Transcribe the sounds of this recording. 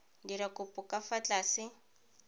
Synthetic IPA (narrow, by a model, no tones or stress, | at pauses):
diɾakʼʊpʼʊkʼafat͡ɬʼaːsɪ